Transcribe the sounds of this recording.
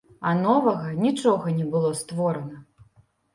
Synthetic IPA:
ɐnɔvɐɣɐnʲit͡ʂɔɣɐnʲɛbɨlˠɔst̪vɔɾɐnɐ

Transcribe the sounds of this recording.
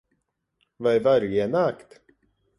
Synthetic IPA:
vaɛɾvæɾjənakt̪

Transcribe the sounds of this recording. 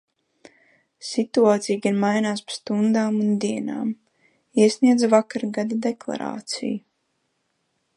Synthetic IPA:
sit̪uaːt̪sʲijɡanmajnaːspḁst̪und̪aːmund̪iɛna̰ːm | iɛsʲniɛd̪zavakaɾɡad̪ad̪eklˠa̰ɾa̰ːt̪sḭju

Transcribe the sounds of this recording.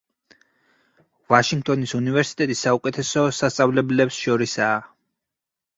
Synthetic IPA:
vaʃiŋɡ̚t̪ʼɔnisunivɛɾsi̥t̪ʼɛt̪ʼisːaukʼɛt̪ʰɛsɔsast̪sʼavlɛblɛpsʃɔɾisaː

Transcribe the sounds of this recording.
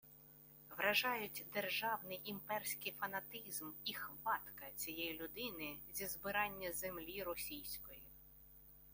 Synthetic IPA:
ʋɾɐʒɑjʊtʲd̪erʒɑwnɪjʔimpɛrsʲkɪjfɐnɐt̪ɪzmixʋɑt̪kɐt͡sʲijɛjilʲʊd̪ɪnɪzʲizbɪɾɑnʲːɐzemlʲiɾɔsʲijsʲkɔji

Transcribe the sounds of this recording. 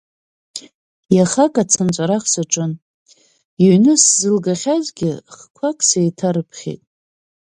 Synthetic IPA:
jaχakʼat͡sʰɨnt͡ʃʷʼaɾaχsaʈ͡ʂʼɨn | iɥnɨszɨlɡaχʲazɡʲɪχkʷʰakʼsejtʰaɾɨpʰχʲḛtʼ

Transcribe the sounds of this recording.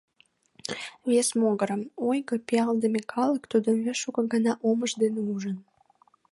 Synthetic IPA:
βesmoɣəɾəmojɣəpiɑld̪əmekʰɑləkt̪ud̪ənβeʃukəɡənɑʔoməʒd̪eneuʒən

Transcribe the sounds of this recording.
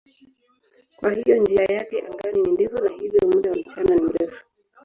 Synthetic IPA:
kwʔahijɔnd͡ʒiajakɛʔaŋɡaninindivɔnahivjɔmuɗawam̩t͡ʃananim̩ɾɛfu̥

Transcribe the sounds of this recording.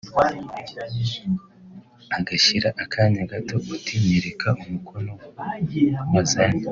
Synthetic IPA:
aɡaʃiɾaʔakʰaːɲaɡato̞ːtimeɾekʰaumukʰono | mazani

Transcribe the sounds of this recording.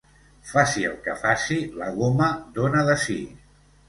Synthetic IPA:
fasiə̰lˠkəfasiləɣoməd̪onəðəsḭ

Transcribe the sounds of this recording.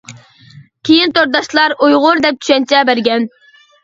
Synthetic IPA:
kʲʰejint̪oɾd̪ɑʃlˠɑɾujʁʊɾd̪ɛp̚t͡ʃʰy̥ʃɛnt͡ʃʰɛbæɾɡʲɛn

